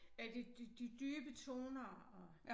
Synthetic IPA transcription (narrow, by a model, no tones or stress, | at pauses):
æd̥id̥id̥id̥yːb̥ət͡sʰo̝̰ːnɐɒ